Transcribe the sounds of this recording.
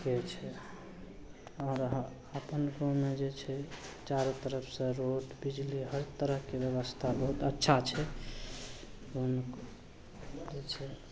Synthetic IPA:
ket͡ʃʰɛ | ɔːɾɦə | əpənɾomed͡ʒet͡ʃʰɛt͡ʃaɾot̪əɾəpʰsə̃ɾoʈbid͡ʒliɦəɾt̪əɾəɦkebjəβəst̪ʰabəɦut̪ətːʃʰat͡ʃʰɛ | onk | d͡ʒet͡ʃʰɛ

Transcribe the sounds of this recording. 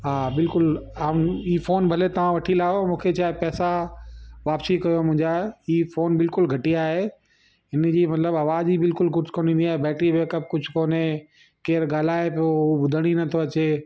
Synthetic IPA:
ɦaːbɪlkʊlaːiːfoːnbʱɐlet̪ɐʋ̤ãʋɐʈʰilaːomũːkʰet͡ɕaːɦepɛːsa | ʋaːpsikɐjomʊ̃ɦɪ̃ɲd͡ʑaːiːfoːnbɪlkʊlɡʱɐʈiaːɦe | ɪnd͡ʑiːmɐt̪ləbɐːʋaːzibɪlkʊlkʊɾd͡ʑkoːnĩːnd̪iaːɦebɛːʈɾiʋeːkəp̚kʊd͡ʑʱʊkoːne | keːɾɠaːl̤aːepijoubʊd̪ʱəɽ̃inɐt̪ʰoɐt͡ɕeː

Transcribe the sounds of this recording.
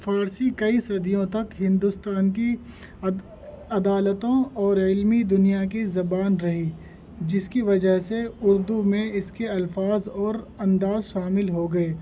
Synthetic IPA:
faːɾsikɐisɐd̪ijõt̪ɐkɦɪ̃nd̪ʊst̪aːnki | ɐd̪aːlət̪õɔːɾɪlmid̪ʊnijak̬izɐbaːnɾɐɦi | d͡ʒɪskiʋɐd͡ʒəɦseʊɾd̪umẽɪskeɐlfaːzɔːɾɐ̃nd̪aːzʃaːmɪlɦoɡɐeː

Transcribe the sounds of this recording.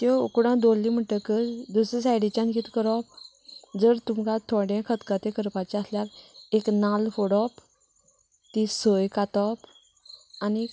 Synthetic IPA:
t̪ɔkuɽãd̪olːim̤əʈəkəd̪usɾisajɽit͡ɕãnkiːt̪kəɾɔp | d͡zəɾt̪umkat̪ʰɔɽẽkʰət̪kat̪ekəɾpat͡ɕeasljaɾeknalfoɽɔp | t̪isəjkat̪ɔp | ani

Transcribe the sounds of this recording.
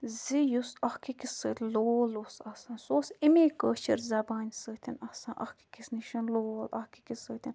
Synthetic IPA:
zijusɐhkikisəːt̪ʲloːlusɐsãːnsoːsimeːkəːt͡ʃʰḭɾzɐbaːnʲsəːt̪ʰʲinɐsãːʔɐ̰hki̥kisniʃɐnloːlɐ̰hki̥kisəːt̪ʰin

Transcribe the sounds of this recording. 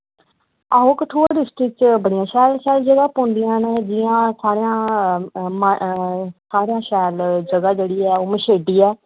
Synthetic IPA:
aːɦoːkəʈʰoːɖɪsʈɾɪk̚t͡ʃbəɽɪjãːʃɛːlʃɛːld͡ʒəɡaːpõːnd̪ɪjãːnẽːd͡ʒɪjãːsaːɾejãː | mə | saːɾejãːʃɛːld͡ʒəɡaːd͡ʒeːɽiːɛːoːməʃeːɖiːɛː

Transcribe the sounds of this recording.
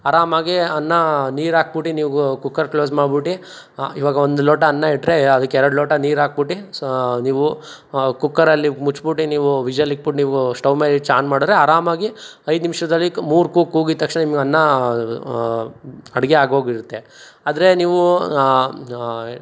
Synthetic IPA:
aɾaːmaːɡiɐnːɐniːɾaːk̚buʈːiniːʋukukːɐɾkloːsmaːɖbiʈːi | iʋaːɡɐond̪uloːʈɐːnːɐiʈːɾeɐd̪ɐkːeɛɾɐɽloːʈɐniːɾaːk̚biʈːiniːʋu | kukːɐɾɐlːimut͡ʃbuʈːiniːʋuʋid͡ʒʋɐlik̚buʈniːʋɡusʈɐʋmeːlit͡ʃaːnmaːɽid̪ɾeaːɾaːmaːɡiɐjd̪nimʂɐd̪ɐlːimuːɾkuːkuːɡit̪ɐkʂnɐnimɐɡeɐnːɐ | ɐɽɡeaːɡɦoːɡiɾut̪ːe | aːd̪ɐɾe̞niːʋu

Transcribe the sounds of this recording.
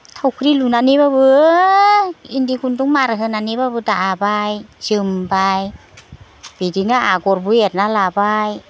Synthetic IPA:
t̪ʰawkʰɾilunanibabɯ | indikʰunt̪uŋmaɾaɦɯnanibabɯd̪aʔabajsɯmbaj | bidiŋaʔaɡoɾbujet̚nalabaj

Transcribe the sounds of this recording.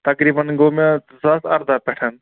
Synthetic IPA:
t̪ɐkɾiːbənɡomẽ | zɐsɐɾd̪apɛʈʰən

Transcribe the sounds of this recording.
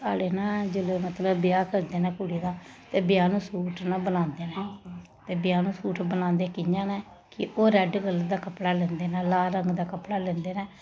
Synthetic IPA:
saːɽeːnãːd͡ʒʊleːmət̪ləbbɪjaːkəɾd̪eːnɛ̃ːkʊɽiːd̪aːt̪eːbɪjaːnũːsuːʈʰnãːbənãːnd̪eːnɛː | t̪eːbɪjaːnũːsuːʈʰbənãːnd̪eːkɪɲd͡ʒãːnɛː | kɪ̰ʔoːɾɛːɖɡəld̪aːkəpɽaːlɛ̃ːnd̪eːnɛːlaːɾəŋɡd̪aːkəpɽaːlɛ̃ːnd̪eːnɛː

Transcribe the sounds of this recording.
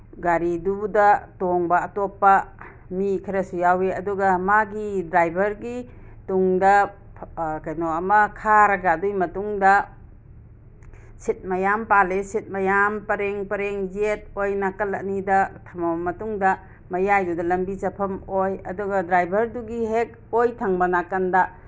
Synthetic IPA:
ɡaɾidudɐtoŋbaːtopːɐ | mikʰɐɾɐsujaweɐdɔɡɐmaɡidɾajbʱɐɾɡi | tuŋdɐ | kajnɔɐmɐkʰaɾɐɡadujmɐtuŋdɐ | sit̚mɐjampalesit̚mɐjampɐɾeŋpɐɾeŋzet̚ojnakɐlɐ̰ʔ̚nidɐtʰɐmɐmmɐtuŋdɐ | mɐjajdudɐlɐmbit͡ʃɐpʰɐmojɐduɡɐdɾajbʱɐɾduɡiɦek̚ | ojtʰaŋbɐnakandɐ

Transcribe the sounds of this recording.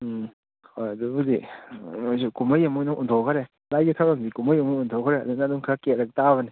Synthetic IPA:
hojadubudḭojsukuməjɐmunaʔuntʰowkʰɐɾe | lajɡitʰawɾamdikuməjɐmuuntʰowkʰəɾeɐ̰d̪unaduŋkʰɾaket̚ɾɐk̚taβɐni

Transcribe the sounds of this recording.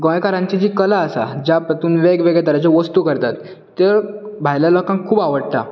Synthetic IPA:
ɡɔ̃jkaɾãɲt͡ɕid͡ʑiːkəlaːsa̰d͡ʑjapət̪uːnʋeɡʋeɡɭjed̪aɾat͡ɕeʋəst̪uːkəɾt̪at̪ː | eɾ | bʱajljalɔkãŋkkʰːuːbaʋəɽt̪a̰

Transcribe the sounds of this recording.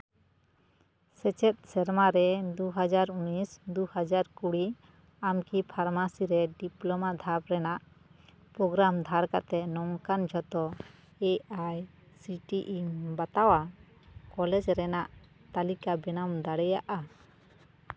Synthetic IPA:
sɛt͡ʃɛt̪̚ˀsɛɾmaɾɛd̪uɦad͡ʒaɾunisd̪uhad͡ʒaɾkuɽi | amkipʰaɾmasiɾɛɖiplɔmad̪ʱapɾɛnaʔ | pɾɔɡɾamd̪ʱaɾka̰t̪ɛnɔŋkand͡ʒʱɔt̪ɔ | ɛaj | siʈiʔibat̪awa | kɔlɛd͡ʒɾɛnaʔt̪alikabɛnamd̪aɽɛjaʔa

